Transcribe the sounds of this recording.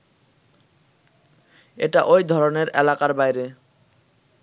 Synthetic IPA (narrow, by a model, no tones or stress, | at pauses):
eʈaʔojd̪ʱɔɾoneɾɛlakaɾbajɾe